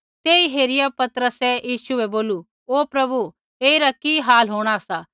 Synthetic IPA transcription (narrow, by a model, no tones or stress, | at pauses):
t̪eːiɦeːɾɪjapɐt̪ɾəsɛjiːʃsuɛboːlu | oːpɾɐbu | eːiɾakiɦaːlɦoːɽ̃asaː